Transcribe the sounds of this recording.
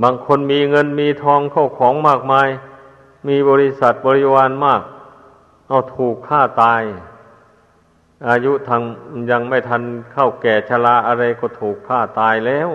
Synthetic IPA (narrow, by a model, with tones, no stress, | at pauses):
baː˧ŋkʰo˧nmiː˧ŋɤ˧nmiː˧t̪ʰɔː˧ŋkʰa˥˩wkʰɔː˨˦ŋmaː˥˩k̚maː˧j | miː˧bɔː˧ɾi˦˧˥sa˨˩t̪̚bɔː˧ɾi˦˥waː˧nmaː˥˩k̚ | ʔa˧˩wt̪ʰuː˨˩kʰːaː˥˩t̪aː˧j | ʔaː˧ju˦˥t̪ʰa˧ŋja˧ŋma˥˩jt̪ʰa˧nkʰa˥˩wkɛː˨˩t͡ɕʰa˧la˧˥ʔa˧ɾa˧jkɔː˧˩t̪ʰuː˨˩kʰːaː˥˩t̪aː˧jlɛː˧˩˨w